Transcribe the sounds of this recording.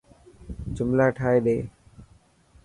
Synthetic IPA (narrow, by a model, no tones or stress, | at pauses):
d͡ʒʊmlaːʈʰaːeːɗeː